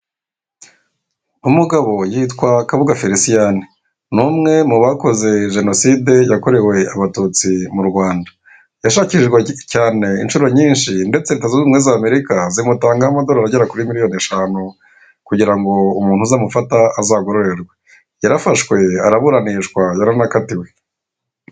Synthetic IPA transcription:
umuɡaβo̞jiːtkwakaβuɡafeɾisijani | numŋe̞muβako̞ze̞ʒe̞no̞side̞jako̞ɾe̞we̞aβatut͡simuɾɡwaːnda | jaʃaːciʒeʒɡwecaːne̞inʃuɾo̞ɲiːnʃinde̞t͡se̞ːɾetazuziumŋezaːme̞ɾikaziimutaːŋɡahamadoɾaɾaɟeɾakuɾimiɾijo̞ːneʃaːnu | kuɟiɾaŋɡo̞umuːnhuzaːmufataazaːɡo̞ɾo̞ɾe̞ɾɡwe̞ | jaɾafaʃwe̞aɾaβuɾaniʃkwajaɾanakatiwe

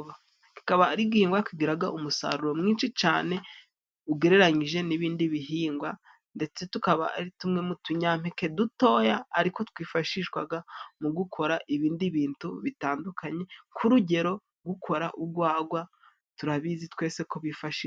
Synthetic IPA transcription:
βa | ki̥kaβaːɾiɡiːŋɡwakiɡiɾaɡaʔumusa̰ɾuɾo̞mŋiːnʃit͡ʃaːne̞ | uɡe̞ɾe̞ɾaɲiʒe̞niβiːndiβiɦiːŋɡwa | nde̞t͡se̞tukaβa̰aɾitumŋe̞mutuɲaːm̥e̞ke̞duto̞ːjaːɾiko̞twiːfaʃiʃwa̰ɡamuɡukʰo̞ɾaʔiβiːndiβiːntuβitaːndukʰaɲe̞kʰuɾuɟe̞ɾo̞ | ɡukʰo̞ɾaʔuɡwaːɡwa | tuɾaβizitwe̞ːse̞ko̞βifaʃi

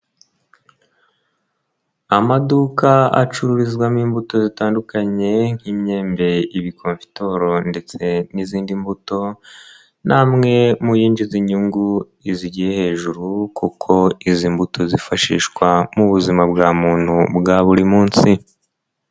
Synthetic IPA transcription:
amadukaa̰t͡ʃuɾuɾizɡwamiːmbuto̞zitaːndukaɲe̞ŋ̥hiːmɲe̞ːmbe̞iβikʰo̞mfi̥to̞ɾo̞nde̞t͡se̞niziːndimbuto̞ | namŋe̞mujiːnd͡ʒiziɲuŋɡu | iziɟihehe̞ːʒuɾukukʰo̞izimbuto̞zifaʃḭːʃkwamuβuzimabɡaːmuːn̥hubɡaːβuɾimuːnsi

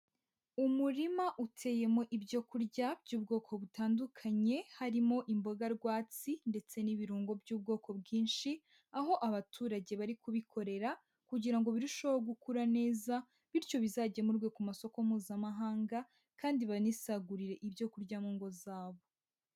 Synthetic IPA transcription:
umuɾimaʔutʰe̞ːje̞moʔibjo̞kuɾɟabɟuːb̚ɡo̞ːkʰo̞βutaːndukʰaɲe̞haɾimo̞ʔimbo̞ɡaɾɡwaːt͡sinde̞t͡se̞niβiɾuːŋɡo̞bɟuːb̚ɡo̞ːko̞bɡiːnʃi | aɦo̞ʔaβatʰuːɾaɟe̞βaɾikuβikʰo̞ɾe̞ɾa | kuɟiɾaŋɡo̞βiɾuʃooɡukuɾane̞ːza | βiɾco̞βizaːɟemuɾɡwe̞kumaso̞komhuːzamaɦaːŋɡa | kaːndiβanisaɡuɾiɾe̞ʔibjo̞kuɾɟamŋoŋɡo̞zaːβo

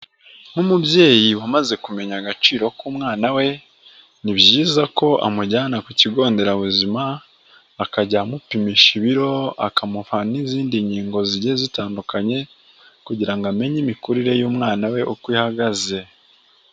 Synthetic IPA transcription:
n̥humubje̞ːjiwamaze̞kume̞ɲaɡat͡ʃiːɾo̞kuːmŋaːnawe̞ | niβjiːzako̞ʔa̰muɟaːnakuciɡo̞ːnde̞ɾaβuzimaː | kaɟamupimiʃiβiɾo̞a̰kʰamufaniziːndiɲɟiːŋɡo̞ziɾɟezitaːndukaɲe̞ | kuɟiɾaŋɡoame̞ɲimikuɾiɾe̞juːmŋaːnawe̞ʔukwiːhaɡaze̞

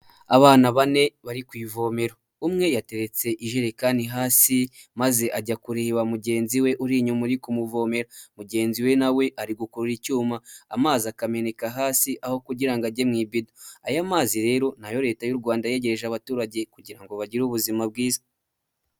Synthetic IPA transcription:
aβaːnaβane̞βaɾikwiːvo̞ːme̞ɾo | umŋe̞jate̞ɾe̞t͡se̞ʔiʒeɾekaːniɦaːsi | maze̞ʔaɟakuɾeβamuɟe̞ːnziwe̞ʔuɾiːɲumuɾikumuvo̞ːme̞ɾamuɟe̞ːnziwe̞nawe̞ʔaɾiɡukoɾuɾicuːmaa̰maːziakame̞ne̞kaɦaːsiʔaho̞kuɟiɾaŋɡaɟe̞mŋiːbidoajamaːziɾe̞ːɾo̞nhajo̞ɾe̞ːtajuɾɡwaːndajeɟeɾeʒaβatuːɾaɟe̞kuɟiɾaŋɡo̞βaɟiɾuβuzimab̚ɡiːzḁ

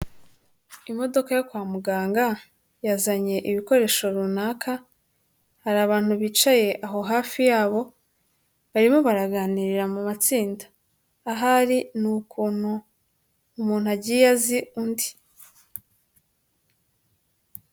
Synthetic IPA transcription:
imo̞do̞kajokwaːmuɡaːŋɡa | jazaɲe̞ʔiβiko̞ɾe̞ːʃo̞ɾunakʰa | haɾaːβaːn̥huβiːt͡ʃaje̞ʔaɦo̞ɦaːfijaːβo̞ | βaɾimo̞βaɾaɡaːniɾiɾamumat͡siːndaː | ɦaɾinuːkʰuːn̥huː | muːn̥huaɟijaziundi̥

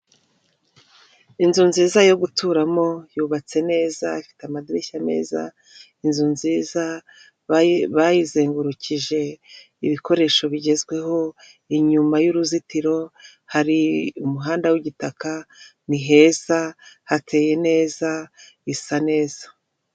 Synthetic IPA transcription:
inzunziːzajo̞ɡutuɾamo̞juːβat͡se̞ne̞ːzaifi̥tamaduɾiçame̞̰ːza̰ | inzunziːza | βajizeːŋɡuɾuciʒe̞ | iβiko̞ɾe̞ːʃo̞βiɟe̞zɡwe̞ɦo̞ | iɲumajuɾuzitiɾo̞ | haɾiumuɦaːndawiɟitakaniɦe̞z̥ahatʰe̞ːje̞ne̞ːza | isane̞ːz̥ḁ

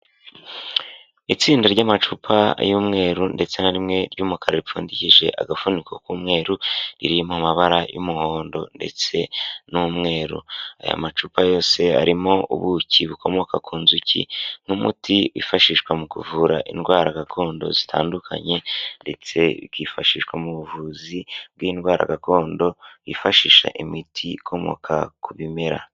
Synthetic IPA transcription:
it͡siːndaɾɟamat͡ʃuːpʰa̰juːmŋe̞ːɾunde̞t͡se̞naɾimŋe̞ɾɟuːmukʰaɾaɾip͡fuːndiciʒe̞̰ʔa̰ɡafunikokuːmŋe̞ːɾuɾḭɾimoamaβaɾajṵmuho̞ːndo̞̰nde̞̰t͡se̞numŋe̞ːɾṵa̰ja̰mat͡ʃuːpajo̞ːse̞a̰ɾimo̞ṵβuciβuko̞mo̞kakuːnzucḭn̥umutiḭfaʃiːʃwamukṵvuːɾaʔinɡwaːɾaɡakʰo̞ːndo̞̰zitʰa̰ːndukʰa̰ɲe̞nde̞t͡se̞βikiːfaʃiːʃkwamuβuvuːzibɡiːnɡwaːɾa̰ɡako̞ːndo̞ḭfaʃiːʃa̰ʔimitʰikʰo̞mo̞̰kʰakuβime̞ɾa̰

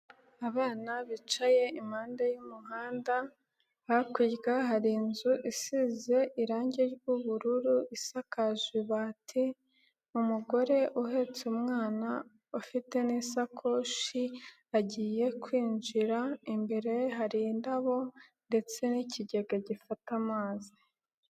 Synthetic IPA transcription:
aβaːnaβit͡ʃaje̞im̥haːndajumuhaːnda | βakwiːɡaɦaɾinzuʔisize̞ʔiɾaːɲɟe̞ɾuβuɾuɾuʔisakazwiβaːtʰi | umuɡo̞ɾe̞ʔuɦe̞t͡sumŋaːna | ufite̞nisakʰo̞ʃi | aɟiːje̞kwiːnʒiɾaimbe̞ɾe̞ɦaɾiːndaβo̞nde̞t͡se̞nicʰiɟe̞ɡaɟifatamaːzi

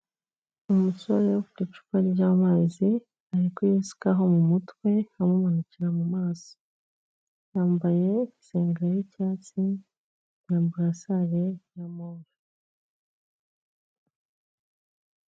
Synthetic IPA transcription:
umusoɾefuɾit͡ʃu̥paɾijamaːzi | aɾikojesi̥kaɦo̞mumutwe̞amumanuciɾamumaːzo̥ | jaːmbaje̞seːŋɡɾajicaːt͡si | ɲaːmbuɾasaɾejamoːɾo

